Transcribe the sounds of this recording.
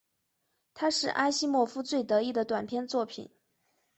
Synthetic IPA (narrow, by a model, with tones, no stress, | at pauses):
t̪ʰa˥ʂɻ̩˥˩ʔa˥ɪɕi˥mwɔ˥˧fu˥t͡swe˥˩ɪt̪ɤ˧˥i˥˩d̪ə˩t̪wa˨˩np̪ʰjɛ˥˧nt͡swɔ˥˩pʰḭ˨˩˦n